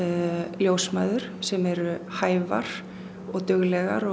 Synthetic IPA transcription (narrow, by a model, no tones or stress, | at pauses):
ljoːwsmajðʏɾ̥sɛmɛɾʏhaːjva̰ɾ̥ | ɔɣt̪ʏɣlɛɣa̰ɾɔ